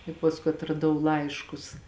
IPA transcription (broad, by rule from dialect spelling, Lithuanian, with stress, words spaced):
ɪ pɐsˈkʊɪ ɐtrɐˈdɐʊ ˈlˠɐɪʃkʊs